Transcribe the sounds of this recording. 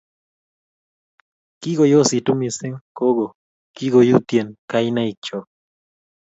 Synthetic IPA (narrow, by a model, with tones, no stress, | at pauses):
ki˦ɡo˨jo˦˨si˨tu˦mi˨sɪ˦ŋko˦ɡo˨ | ki˦ɡo˨ju˦t̪je˨nka˦i˦na˦i˨k̚t͡ʃɔ˨